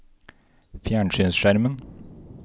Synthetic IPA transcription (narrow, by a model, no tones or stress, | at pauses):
fjæːɳʃyːnsʃæɾmən